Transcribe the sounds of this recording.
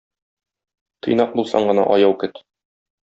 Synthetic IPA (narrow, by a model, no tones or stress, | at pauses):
t̪ʰɤ̆jnɑq̚bulˠsɑ̰ɴɢɤ̆nɑ̰ʔɒjɑwkɘt̪